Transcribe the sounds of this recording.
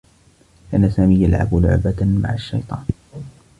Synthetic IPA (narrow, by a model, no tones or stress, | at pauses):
ʔanːasaːmiːjalʕa̰bʊlʊ̰ʕbama̰ʕaʃːɑ̰jt̪ˤɑ̰ːn